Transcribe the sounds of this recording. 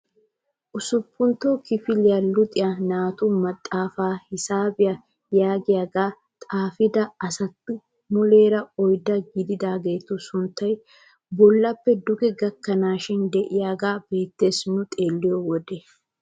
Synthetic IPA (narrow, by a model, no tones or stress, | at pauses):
ʔʊsʊpːʊnt̪ːoːkɪfɪlɪjɐlʊt̪ʼɪjɐnaːt̪ʊmɐt̪ʼːaːfaːhɪsaːbɪjɐ | jaːɡɪjaːɡaː | t̪ʼaːfɪd̪ɐɐsɐt̪ːɪ | mʊle̞ːɾɐɔjd̪ɐɡɪd̪ɪd̪aːɡe̞ːt̪ːʊsʊnt̪ːɐj | bɔlːɐpːɛd̪ʊɡɛɡɐkːɐnaːʃɪnd̪ɛʔɪjaːɡaːb̥e̞ːt̪ːe̞ːsnʊt̪ʼeːlːɪjɔwɔd̪e